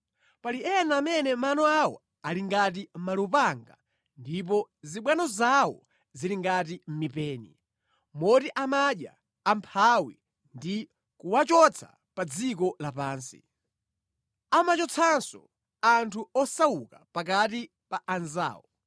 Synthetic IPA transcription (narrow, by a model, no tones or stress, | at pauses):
paliɛnaːmɛnɛmanɔawɔ̰ | aliŋɡat̬im̩malupaŋɡa̰ | ndip̬ɔziɓwanɔzawɔ̰ | ziliŋɡatim̩mipɛːnḭ | mɔtiʔamaɗja̰ː | mpʰawḭ | ndi | kuwat͡ʃɔt͡sʰa̰ | pad͡zik̬ɔlapaːnsi | amat͡ʃɔt͡sʰansɔ̰ | antʰuɔsawukapakati | paʔanza̰ːwɔ